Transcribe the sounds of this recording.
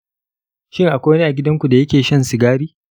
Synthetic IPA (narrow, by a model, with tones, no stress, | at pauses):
ʃɪ˦ŋʔa˨kʷoː˦wɐ˦neː˦ʔa˨ɡʲɪ˦dɐ˦ŋkʷu˨da˨jɐ˦kʲeː˨ʃɐ˦nsɪ˨ɡaː˦ɽiː˦